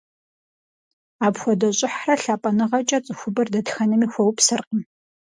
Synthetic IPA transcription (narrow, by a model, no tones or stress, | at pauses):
aːpxʷɔdɐɕʼɪħrɐɬaːpʼɐnɨʁɐt͡ʃʼɐt͡sʼɨxʷʊbɐrdɐtxɐnɨmiːxʷɔwpsɨrqʼəm